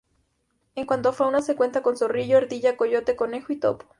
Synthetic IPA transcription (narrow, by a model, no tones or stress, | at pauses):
eŋkwant̪̬oafawnasekwe̞nt̪akonsoriʝoeɾðiʝakoʝot̪ekonexoit̪o̰po̥